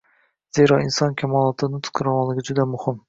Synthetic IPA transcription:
z̥eɾɒɪnsɒnkʲʰamɒlˠɒt̪ʰɪnɪt̪ʰqʰɨɾɑmɒlˠɪɡʲɪd͡ʒʊd̪amʊhɪm

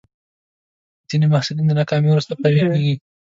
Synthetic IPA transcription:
z̥inemahsulind̪ənɑkɑmiwɾust̪apawekeɡi

